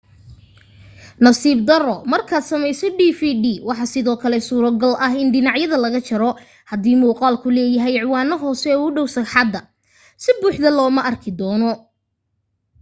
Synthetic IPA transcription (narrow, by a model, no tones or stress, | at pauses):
nɐsiːb̚d̪ɐrɔmɐrkʰaːd̪sɐmɛjsɔɖiːfiɖiːwɑħɑsɪðɔːkʰɐlɛsuːɾɐɡɐlʔɐɦɪnɖɪnɑʕjɐðɐlɐɣɐt͡ʃɐɾɔ | hɐd̪iːmuːqɑːlkʰʊlɛːjɐɦɛjʕwɑːnɐɦɔːsɛːʊɖɔwsɐkħɑd̪ːɐ | sɪbuːħðɐlɔːmɐʔɐrkʰɪd̪ɔːnɔ